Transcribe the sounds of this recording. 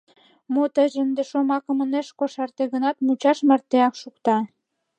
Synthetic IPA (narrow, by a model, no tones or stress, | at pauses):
mot̪əʑənd̪eʃomɑkə̆mə̆neʃkoʃɑrt̪eɣənɑt̪mut͡ɕɑʃmə̆rt̪eɑkʃukt̪ɑ